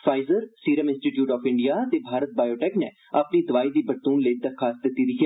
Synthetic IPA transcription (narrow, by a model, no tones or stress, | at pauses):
fʰaːɪzəɾsiːɾəmɪ̃nsʈiːʈjuːʈɔːfɪ̃ɳɖijaːt̪eːbʱaːɾət̪̚baːjoːʈɛːknɛ̰ː | apniːd̪əʋaːiːd̪iːbəɾt̪uːnləid̪əɾkʰːaːs̚d̪ɪt̪ːiːd̪iːɦɛ